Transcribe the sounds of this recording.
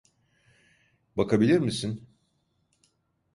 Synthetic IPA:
bakabilʲiɾmisin

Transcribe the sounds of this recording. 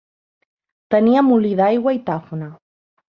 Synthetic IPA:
t̪əniamuliðajɣwait̪afuna

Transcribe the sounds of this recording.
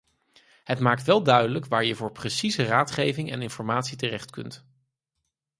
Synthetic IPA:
ɦətmaːk̚tʋɛlˠdœɥdələkʋaːɹjəvʊːɹprəsizəraːtχejvɪŋɛ̰nɪnfɔɹmaːtsitərɛχtkɵ̰nt

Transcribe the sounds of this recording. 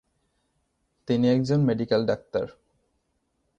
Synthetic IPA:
t̪iniɛk̚d͡ʑonmeɖikelɖak̚t̪a̰ɾ

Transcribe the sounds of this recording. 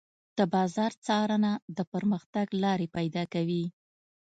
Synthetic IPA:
d̪̥əbɑzɑɾt͡sɑɾənad̪əpəɾməxt̪aɡlɑɾepajd̪ɑkawi

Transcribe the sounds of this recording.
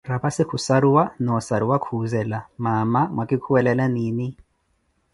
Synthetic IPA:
rapasɪkʰusaɾiwanɔsaɾiwakʰuzɛlamamaŋwakʼikʰuwɛlɛlaniːni

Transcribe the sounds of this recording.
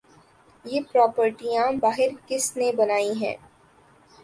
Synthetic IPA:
jeːpɾɔːpəɾʈijãbaːɦɪɾkɪsnebɐnaːiɦɛ̰̃ː

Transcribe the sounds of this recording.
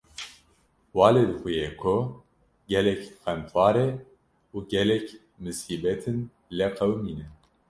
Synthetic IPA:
wɑːled̪ɨxujekʰo | ɡɛlɛkxɛnt̪ʰwɑːɾe | uːɡɛlɛk | mɨsiːbɛt̪ʰɨn | lɛqɛwmiːnɛ

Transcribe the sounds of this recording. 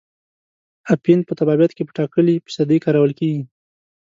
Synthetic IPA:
apin̚pət̪abɑbjat̪kepə̥ʈɑkəlipi̥sɑd̪ejkɑɾawəlkeɡi

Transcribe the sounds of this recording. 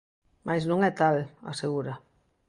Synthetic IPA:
mʔajznõŋɛt̪ala̰seɣuɾa

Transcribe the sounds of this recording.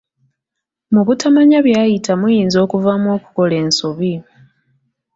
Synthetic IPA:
muβutamaɲaβjaːjitamujiːnzo̞ːkuvamwo̞ːku̥ko̞le̞ːnsoβi

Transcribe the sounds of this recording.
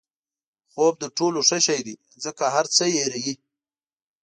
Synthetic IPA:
xob̚d̪əʈoloʂəʃajd̪i | zəkaɦaɾt͡səjeɾaji

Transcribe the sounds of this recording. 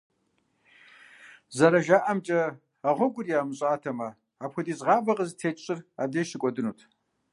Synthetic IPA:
zɐɾɐʒaːʔɐmt͡ʃʼɐ | ɐʁʷɔɡʷʊrjaːmɨɕʼaːtʰɐmɐ | aːpʰʷxʷʊdiːzʁɑːbɐʁəztʰeːt͡ʃʼɪra̰ːdeːʃɪkʷʼɔdɨnuːtʰ

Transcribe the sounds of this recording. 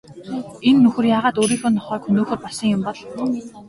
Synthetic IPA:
enːɵxɵ̆rjaːʁaːt̪oːɾiːxoːnːɔχœːkxɵnoːxoːrpɔɮsə̆ŋjʊmpɔɮ

